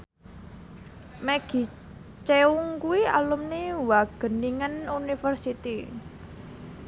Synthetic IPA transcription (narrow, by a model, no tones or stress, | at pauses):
meɡ̥i̤ | t͡ʃeuŋkuwia̰lumnewaɡ̥ə̤niŋənunifərsit̪i